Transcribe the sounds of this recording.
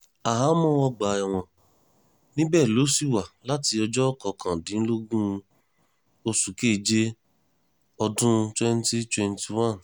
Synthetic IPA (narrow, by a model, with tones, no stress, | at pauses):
a˨ɦa˨˦mɔ̃˦ɔ˧ɡ͡ba˨˦ɛ˨w̃ɔ̃˨ | nĩ˦bɛː˦˨lo˨˦si˦˨wa˨la˦ti˧ɔ˧d͡ʒɔ˦kɔ˧˨kʰã˨dĩ˨˦lo˦ɡũ˦˧ | o˧su˨ke˦˨d͡ʒe˦ | ɔ˧dũ˦˧twɛ˦n˦ti˦twɛ˧nti˨wã˦˨n